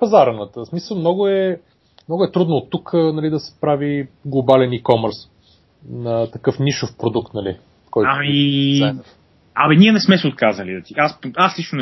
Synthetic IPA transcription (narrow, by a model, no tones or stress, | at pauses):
pɐzaɾənət̪əsmisəlˠmnɔɡʊɛ | mnɔɡʊɛt̪ɾud̪noːt̪ːuknɐlid̪ɐsɛ̥pɾaviɡlˠobalɛnikɔməɾs | nɐt̪ɐkɤfniʃofpɾod̪ukt̪nɐlḭ | kɔjtami | ɐ̰mɛniɛnɛsmɛsɛot̪̚kazəlid̪ɐt̪iʔaspaslit͡ʃnon